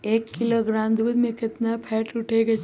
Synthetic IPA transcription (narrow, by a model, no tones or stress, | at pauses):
eːkːɪloːɡɾaːmd̪uːd̪mẽkɪt̪napʰɛːʈʊʈʰeɡet͡ʃ